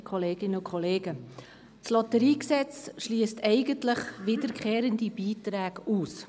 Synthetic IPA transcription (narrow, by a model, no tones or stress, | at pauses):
kχɔleːɡ̥ɪnəʊkʰɔleːɡə | slɔtəɾiːksɛt͡sʃliːəstɛɪɡəntlɪχʋɪdəɾkʰχeːɾəndib̥iːtɾæːɡ̥uːs